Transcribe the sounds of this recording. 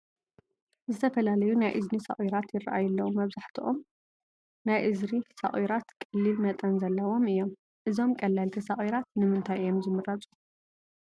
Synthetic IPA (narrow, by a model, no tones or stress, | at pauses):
zɨt̪ʰɐfɐlalɐjunajʔɨznisɐ̰χʼwiɾat̪jɪrːa̰ʔajɐlːɐwumɐβzaħt̪ʰiʔom | najʔɨzɾisɐ̰χʼwiɾat̪kʼɨlːilmɐt̪ʼɐnzɐlːɐwo̞mɨjːo̞m | ʔɨzo̞mkʼɐlːalt̪ʰisɐχʼiɾat̪nɨmɨnt̪ʰajjomzɨmɨrat͡sʼu̥